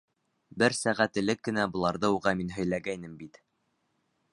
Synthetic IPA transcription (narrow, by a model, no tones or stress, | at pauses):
bɘɾsæʁæt̪ɘ̆lɘkːɘ̆næbŏlˠɑɾðɤuʁɑminɦɵ̆jlæɡæjnɘmbit̪